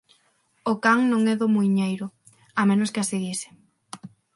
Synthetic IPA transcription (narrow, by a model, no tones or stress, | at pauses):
ʊkaŋnõŋɛðʊmujɲejɾʊ | amẽnʊskɪaseɣisɪ̥